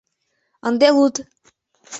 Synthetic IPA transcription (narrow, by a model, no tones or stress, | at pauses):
ɑnd̪elut̪